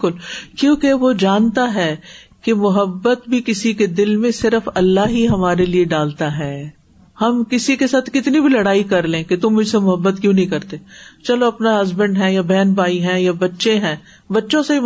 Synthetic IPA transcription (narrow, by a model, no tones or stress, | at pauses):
kʊlkjõːkeʋod͡ʒaːnt̪aɦɛː | kemʊɦəbːət̪bʱikɪsiked̪ɪlmẽsɪɾəfɐlːaɦiɦɐmaːɾelieɖaːlt̪aɦɛː | hɐmkɪsikesaːt̪ʰkɪt̪nibʱilɐɽaːikɐɾlẽːket̪ʊmːʊd͡ʒʱsemʊɦəbːət̪kjũːnɐɦĩkɐɾt̪eːt͡ʃɐloɐpnaɦɐzbə̃ɳɖɦɛ̃jabɛːnbaːiɦɛ̃ːjabɐtːʃẽɦɛ̃ː | bɐtːʃõsei